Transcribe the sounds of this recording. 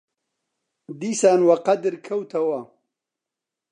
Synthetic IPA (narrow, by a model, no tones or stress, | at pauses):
d̪isaːnwɐqad̪ɾkʰɐwt̪ʰɐwa